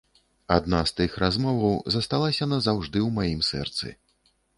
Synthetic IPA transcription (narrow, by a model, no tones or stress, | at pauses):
ad̪nast̪ɨxrazmɔvɐwzɐst̪alˠasʲɐnɐzawʐd̪ɨwmajimsɛ̰rt̪sɨ̰